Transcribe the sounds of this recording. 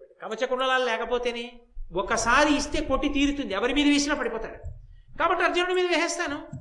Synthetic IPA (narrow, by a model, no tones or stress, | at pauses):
kɐʋɐt͡ʃɐkuɳɖɐlaːlulɛːkɐpoːt̪eːneːɔkːɐsaːɾiːst̪e̞ːko̞ʈːit̪iːɾut̪und̪iɛʋɐɾimiːɾuʋeːsinaːpɐɽipɔːt̪aːɽukaːbɐʈːiɐɾd͡ʒɐnuɽumiːd̪ɐʋjɐɦɛːst̪aːnu